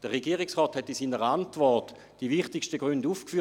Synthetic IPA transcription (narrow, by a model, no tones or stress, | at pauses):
d̥əʁeɡiːʁɪksʁɔːthɛtːisiːnəʁantvɔʁt | d̥iʋiχtɪkʃtəɡʁynduːfkfyː